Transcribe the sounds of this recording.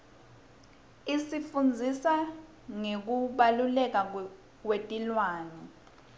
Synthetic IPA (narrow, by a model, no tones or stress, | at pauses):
isifund͡zʱisa | ŋek̬uɓalulɛk̬a | k̬wetʼilwaːnɛ